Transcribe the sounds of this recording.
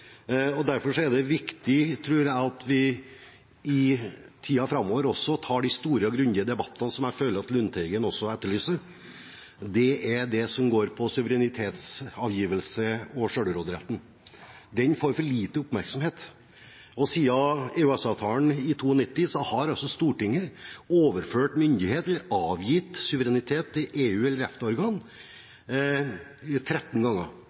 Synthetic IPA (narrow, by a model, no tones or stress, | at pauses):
ɔd̪æɾfɔʂɔɛɖ̪ɛʋɪkt̪ɪt̪ʰɾʉːɾæɑt̪ʰʋɪ | ɪt̪ʰiːɑfɾɑmːɔːʋəɾɔsːɔt̪ʰɑːɖɪst̪uːɾəɔɡɾʉnd̪ɪəd̪ɛbɑt̪ːɑnsɔmæɪføːləɾɑt̪lʉnt̪ʰɛɪɡənɔsːɔɛt̪ːəɭyːsəɾ | d̪ɛʔæɾɖɛsɔmɡoːɾpʰɔsʉʋəɾɛnɪt̪ʰeːt̪sɑːʋjiːʋəlsəɔʂøːɽəɾoːd̪əɾɛ̰t̪n̩ | d̪ɛnfoːɾfɔɭiːt̪əʊpmæɾksɔmheːt̪ | ɔsiːɑeːʉɛsɑʋt̪ʰɑːəɳɪt̪ʰuːɔnɪt̪ːɪsɔhɑɾɑlsɔst̪uːʈɪŋːəoːʋəɾføːʈmʏnd̪ɪheːt̪ɛlːəɾɑːʋjɪt̪sʉʋəɾɛnɪt̪ʰeːt̪ʰːɪlʔeːʉːɛlːəɾɛft̪əɔɾɡɑːn | t̪ʰɾɛt̪ːn̩ɡɑŋːə